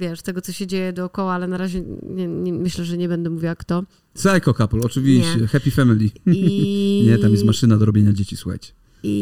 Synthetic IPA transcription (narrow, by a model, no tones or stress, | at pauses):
vʲjɛʂst̪ɛɡɔt̪sɔɕɛd͡ʑejɛd̪ɔːkɔwaalɛnaɾaʑɛɲɛɲɛmɘɕlɛʐɛɲɛbɛnd̪ɛmuvʲawakt̪ɔ | sɛjkɔkaplɔt͡ʂɘvʲiɕt͡ɕɛxɛpʲifɛmʲilʲi | ɲɛt̪amjɛst̪maʂɘnad̪ɔɾɔbjeɲad͡ʑet͡ɕisuxa̰t͡ɕɛ̥ | i